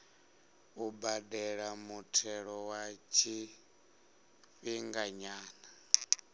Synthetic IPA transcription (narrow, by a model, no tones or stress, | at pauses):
ubadɛɺamutʰɛɺɔwat͡ʃʰi | ɸiŋɡaɲaːna